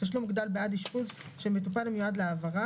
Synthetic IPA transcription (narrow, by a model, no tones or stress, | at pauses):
aʃ̬lumiɡd̪albeʔad̪iʃpuzʃemet̪upalimjoad̪leavaʁa